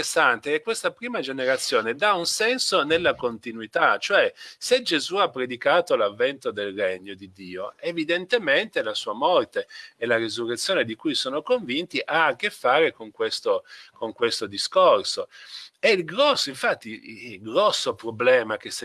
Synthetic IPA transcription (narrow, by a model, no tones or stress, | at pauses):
sːant̪ekekːwest̪apɾiːmad͡ʒeneɾat̪sːjoːned̪aunsɛnsonelːakont̪inwit̪at͡ʃoɛsed͡ʒezuapːɾed̪ikaːt̪olavːɛnt̪od̪elreɲːod̪id̪ːiːoevid̪ent̪ement̪elasuːamɔrt̪eelarezurːet̪sːjoːned̪ikujsoːnokoɱvint̪iʔakːefːaːɾekoŋkwest̪okoŋkwest̪od̪iskorsoɛilɡɾɔsːoiɱfat̪ːiɡɾɔsːopɾoblɛːmak̟es